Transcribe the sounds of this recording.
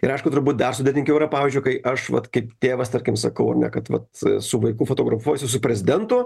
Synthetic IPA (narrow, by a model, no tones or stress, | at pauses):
ɪɾɐɪʃkʊt̪ʊrbuːt̪̚d̪ɐrsʊd̪ʲet̪ʲɪŋkʲɛʊɪɾɐpɑːʋʲiːzʲd͡ʒʲʊɪkɐɪʔɐʃʋɐ̰t̪kɐɪpt̪ʲeːʋɐst̪ɐɾʲkʲɪmsɐkɐʊɐ̰rnʲɛ̰kɐt̪ʋɐ̰t̪sʊʋɐɪkuːfot̪oːɡɾɐfuɔjsʲʊsʊpʲɾʲɛzʲɪd̪ʲɛnt̪ʊ